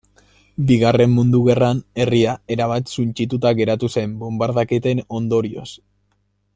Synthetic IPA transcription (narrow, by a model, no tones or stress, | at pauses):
biɣare̞mːund̪uɣe̞rane̞riae̞ɾaβ̞at̪sunt͡ʃit̪̬ut̪aɣe̞ɾat̪use̞mbombaɾðaket̪e̞no̞nd̪o̞ɾio̞s